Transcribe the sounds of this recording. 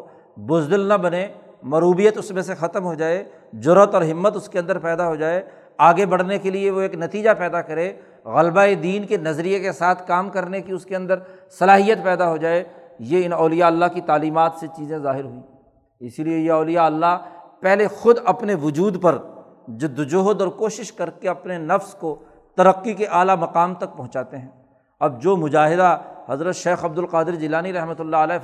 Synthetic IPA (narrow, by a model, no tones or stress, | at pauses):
bʊzd̪ɪlnɐbɐne | mɐɾuːbijət̪ʊsmẽsexɐt̪əmɦod͡ʒaːeː | d͡ʒʊɾət̪ɔːɾɦɪmːət̪ʊskeɐ̃nd̪əɾpɛːd̪aɦod͡ʒaːeː | aːɡebɐɽ̤nekelieʋoeːknɐt̪iːd͡ʒapɛːd̪akɐɾeː | ɣɐlbaed̪iːnkenɐzɾijekesaːt̪ʰkaːmkɐɾnekiʊskeɐ̃nd̪əɾsɐlaːɦijət̪pɛːd̪aɦod͡ʒaːejeɪnɔːlɪjaɐlːakit̪aːliːmaːt̪set͡ʃiːzẽzaːɦɪɾɦʊĩː | ɪsiliejeɔːlɪjaɐlːapɛɦlexʊd̪ɐpneʋʊd͡ʒuːd̪pɐɾ | d͡ʒʊd̪ʊd͡ʒoɦd̪ɔːɾkoːʃɪʃkɐɾkeɐpnenɐfsko | t̪ɐɾəqːikeʔaːlamɐqaːmt̪ɐk̚pɐɦʊ̃t͡ʃaːt̪eɦɛ̃ː | ɐb̚d͡ʒoːmʊd͡ʒaːɦɪd̪ahɐzɾət̪ʃeːxɐb̚d̪ʊlqaːd̪ɪɾd͡ʒɪlaːniɾɛɦmət̪ʊlːaəlɛː